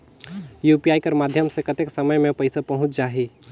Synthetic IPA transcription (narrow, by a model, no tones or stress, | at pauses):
juːpijaːikəɾmaːd̪ʱjəmsekət̪eksəməjmẽpəɪsapɐɦʊ̃t͡ʃd͡ʒaːɦi